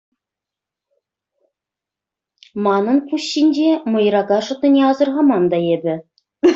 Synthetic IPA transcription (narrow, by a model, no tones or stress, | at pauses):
mɑnɤ̆npuɕːinʲd͡ʑemɤ̆jɾɑɡɑʂɤ̆t̪ːɤ̆nʲeɑzɤ̆rʁɑmɑnd̪ɑebʲɘ̆